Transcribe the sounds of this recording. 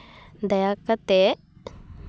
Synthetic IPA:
d̪ɐjakɐt̪e

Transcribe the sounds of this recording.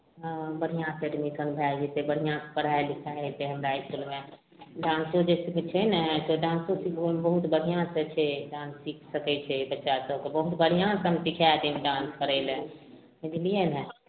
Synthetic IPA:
bəɽ̤ijãseɖmikə̃nbʱad͡ʒet̪ebəɽ̤ijãspəɽaelikʰaɛt̪eɦəmɾaiskulme | ɖãnsõd͡ʒesikt͡ʃʰɛnət̪oɖãːnsõsikʰembəɦut̪bəɽ̤ʱijãsət͡ʃʰɛɖãːnsːikʰsəkɛt͡ʃʰɛbətːʃasəkebəɦut̪bəɽ̤ijãsəmsikʰat̪emeɖãnskəɾɛɪlẽ | ed̪ilijenɛ̃

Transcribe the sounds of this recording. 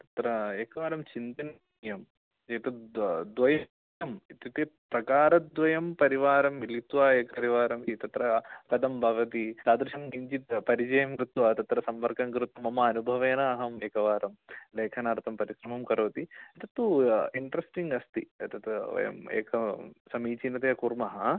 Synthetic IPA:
t̪ɐ̥t̪ɾɐeːkɐʋaːɾɐmt͡ʃint̪ɐn | jɐm | et̪ɐd̪ʋɐjɐ | ɐmit̪it̪epɾɐkaːɾɐd̪ʋɐjɐmpɐɾiʋaːɾɐmilit̪ʋaːeːkɐɐɾiʋaːɾɐmit̪ɐt̪ɾɐkɐd̪ɐmbʱɐʋɐt̪isaːd̪ɾuʃɐmɡiɲt͡ʃit̪pɐɾid͡ʒɐjɐmkɾut̪ʋaːt̪ɐt̪ɾɐsɐmpɐɾkɐŋkɾut̪ɐmɐmɐːnubʱɐʋeːnɐːɦɐmeːkɐʋaːɾɐmleːkʰɐnaːɾt̪ʰɐmpɐɾiʃɾɐmɐmkɐɾoːt̪iɐt̪ɐt̪ːuiɳʈɾɐsʈiŋɡɐst̪iɐt̪ɐt̪ɐ̰jɐ̰mḛːkɐsɐmiːt͡ʃinɐt̪eːɐkuɾmɐɦɐ

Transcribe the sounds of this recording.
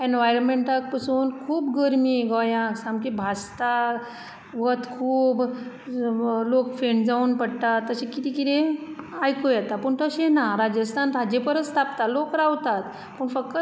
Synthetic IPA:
enʋajɾənmeɳʈək̚pəsuːnkʰuːbɡəɾmiːɡɔjãksamkibʱast̪a | ʋət̪kʰuːb | lokfeɳd͡zauːnpəɽt̪at̪ːəɕekit̪ikit̪eajkojɛt̪apəɳt̪əɕenaɾad͡ʑəst̪ʰant̪ʰad͡ʑepəɾəst̪ʰapt̪alokɾawt̪at̪ | pəɳfək̚t̪ə

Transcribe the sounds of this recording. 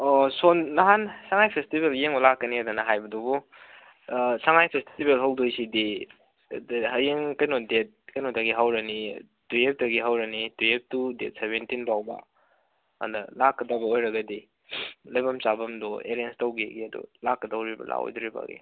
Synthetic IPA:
osonːaɦansaŋajpʰestibeljeŋbɐlakːɐniɐdunɐɦajbɐdubu | saŋajpʰestibelɦawdojsidi | dɦɐjeŋkɐjnɔdet̚kɐjnɔdɐɡiɦawɾɐni | tujep̚dɐɡiɦawɾɐnitujep̚tudet̚seβentinpawba̰ | a̰ndɐlakːɐdɐbɐojɾɐɡɐdi | lɐjbɐmt͡ʃabɐmdɔḛɾienstɐwɡeɡiɐdṵlakːɐdɐwɾibɐ̰la̰o̰jduɾiba̰ɡḭ

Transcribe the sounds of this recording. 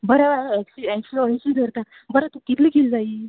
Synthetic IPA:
bəɾaeksiekfloaɕid̪ʱəɾt̪a | bəɾat̪ukit̪liːkeld͡zai

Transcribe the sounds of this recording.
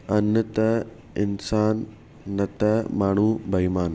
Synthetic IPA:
ɐnjɐt̪ɐ | insaːnː | ɐt̪ɐmaːɳuːbʱɐjmaːn

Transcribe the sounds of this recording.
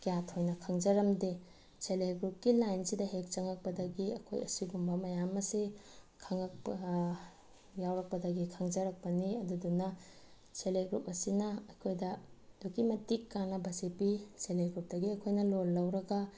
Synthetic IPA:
kijatʰojnɐkʰɐŋd͡ʒɐɾɐmdi | seleɡɾup̚kilajnsidɐɦek̚t͡ʃɐŋɐk̚pɐdɐɡiɐ̰kʰo̰jɐ̰siɡumbɐmɐjamɐsikʰɐŋɐk̚p | jawɾɐk̚pɐdɐɡikʰɐŋd͡ʒɐɾɐk̚pɐniɐdudunɐ | seleɡɾup̚ɐsinɐɐjkʰojdɐd̥ukimɐtikːanːɐbɐsepiseleɡɾup̚dɐɡiɐkʰojnɐlolːɐwɾɐɡɐ

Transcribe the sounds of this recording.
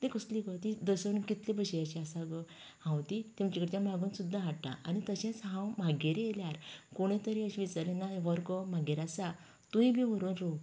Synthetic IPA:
t̪ẽkəslikɔt̪id̪əsənkit̪lebəɕejaɕiasaɡə | hãwt̪it̪emt͡ɕakəɾt̪jamaɡuːnsud̪ːaɦaʈʈa̰ʔa̰nit̪əɕãt͡sɦãwmaɡeɾeeljaɾkoɽ̃ẽt̪əɾiəɕʋit͡saɾlenaʋəɾkɔmaɡeɾasa | t̪ũĩbʱiʋəɾuːnɾo

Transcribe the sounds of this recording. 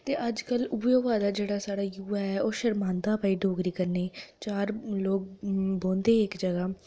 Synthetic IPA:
t̪eːʔəd͡ʒkəluːeːʋaːd̪aːd͡ʒeːɽaːsaːɽaːjuːaːɛːoːʃəɾmãːnd̪aːpaːiːɖʱoːɡɾiːkəɾneːt͡ʃaːɾloːɡ̚bõːnd̪eːɪkd͡ʒəɡaː

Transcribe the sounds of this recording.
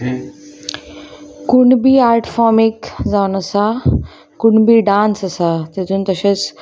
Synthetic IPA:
kuɳbiːaɾʈfɔmikd͡zaunəsa | kuɳbiːɖãnsəsat̪et̪uːnt̪əɕet͡s

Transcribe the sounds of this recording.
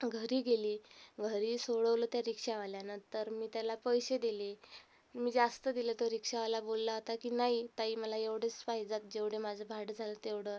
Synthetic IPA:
ɡʱəɾiːɡeliːɡʱəɾiːsoɽəʋlət̪jaɾikʂaʋaljanət̪əɾmiːt̪jalapəjsed̪ile | miːd͡zast̪əd̪ilet̪oɾikʂaʋalabolːaɦot̪akiːnaɦit̪aɦiːməlaeʋɽet͡spaɦid͡zat̪̚d͡ʑeʋɽ̤emad͡zʱəbʱaʈd͡zʱalət̪eʋɽə

